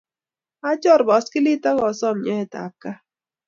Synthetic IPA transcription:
a˦t͡ʃɔ˦˨ɾbɔ˨˦skɪ˦li˦ta˦ɣɔ˨sɔ˦˨mɲɛ˦˨ta̰˨ka˦

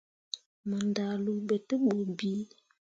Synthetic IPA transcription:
mə˨nda˨lu˨be˨tə˦ɓu˨bi˦

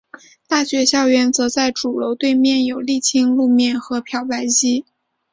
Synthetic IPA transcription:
t̪a˥˩ɕɥɛ˧˥ɕjɑ˥˧ʊɥɛ˧˥nt͡sɤ˧˥t͡sa˥˩ɪʈ͡ʂu˨˩lo˧˥ʊt̪we˥˧ɪmjɛ˥˩njo˨˩ʊli˥˩t͡ɕʰi˥ŋlu˥˧mjɛ˥˩nxɤ˧˥pʰjɑ˧˥ʊpa˧˥nt͡ɕi˥

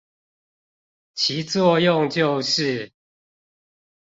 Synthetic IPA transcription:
t͡ɕʰi˨˦t͡swɔ˥˧jʊ˥˨ŋt͡ɕjo˥˨ʊʂɻ̩˥˨

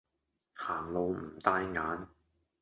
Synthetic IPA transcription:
haː˨˩ŋlo˨˧wm̩˨˩t̪aː˧˥jŋaː˨˥n

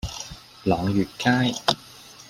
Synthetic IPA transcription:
lɔː˨˧ŋjyː˨t̚kaː˥j

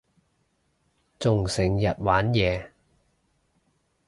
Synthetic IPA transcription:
t͡sʊ˨ŋsɪ˨˩ŋjɐ˨t̚waː˨˥njɛː˨˧

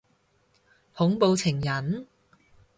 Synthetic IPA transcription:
hʊ˨˥ŋpo˧wt͡sʰɪ˨˩ŋjɐ˨˥n

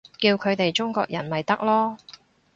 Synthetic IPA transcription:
kiː˧wkʰɵ˨˧ɥt̪e˨jt͡ʃʊ˥ŋkɔː˧k̚jɐ˨˩nmɐ˨jt̪ɐ˥k̚lɔː˥

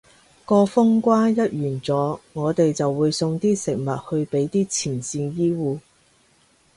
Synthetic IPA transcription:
kɔː˧fʊ˥ŋkʷaː˥jɐ˥t̚jyː˨˩nt͡sɔː˨˥ŋɔː˨˧t̪e˨jt͡sɐ˨wːuː˨˧jsʊ˧ŋt̪iː˥sɪ˨˩k̚mɐ˨t̚hɵ˧ɥpe˨˥jt̪iː˥t͡sʰiː˨˩nsiː˧njiː˥wuː˧

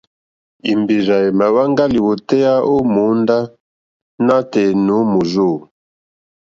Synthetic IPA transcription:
i˨mbi˨za˨e˨ma˨wa˦ŋɡa˦li˨wo˨tɛ˦ja˦o˦mu˨˦nda˦ | na˦te˨nu˨˦mo˨zo˦˨

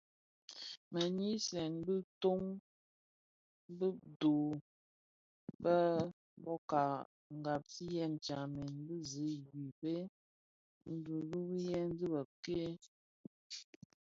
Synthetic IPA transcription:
mə˨ɲi˦sɛ˨nbɨ˦to˦ŋ˦ | bɨ˦do˨ | bə˦ | bɔ˦ka˨ | ŋ˨ɡa˨p̚si˦jɛ˦˨n˨t͡ʃa˨me˨nbɨ˦zi˨˦ɡi˨pe˦ | n̩˦du˨bu˦bjɛ˦n˦dɨ˦bə˨p̚ke˦

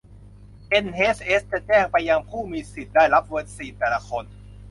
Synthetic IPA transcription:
ʔe˧nheː˦˥sʔeː˦˥st͡ɕa˨˩t͡ɕɛː˥˩ŋpɾa˧ja˧mpʰuː˥˩miː˧si˨˩daː˥˩jla˦˥p̚wɤː˧˥t̪̚siː˨˩t̪ɛː˨˩la˧kʰo˧n

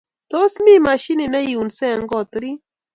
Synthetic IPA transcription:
t̪o˦smi˦ma˨ʃi˦nɪ˨na˦ju˨nsɛ˦˨ŋɡɔ˨t̪ɾi˦

